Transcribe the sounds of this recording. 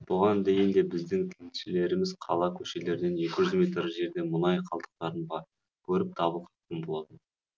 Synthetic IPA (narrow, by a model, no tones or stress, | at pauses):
b̥ʊʁɑnd̪e̞jɪnd̪e̞bɪzd̪ɪŋt̪ʰelʃɪle̞ɾɪmɪzqʰɑ̰lˠɑkʲʰɵʃe̞le̞ɾd̪e̞nje̞kʲɪʒʏzmʲe̞t̪ɾʒe̞ɾd̪e̞mʊnɑjqʰɑlˠd̪ə̥q̚t̪ɑɾəɴʁɑ | kʲʰɵɾɪp̚t̪ʰɑbəlˠqʰɑt̪q̪ənbo̞lˠɑt̪ən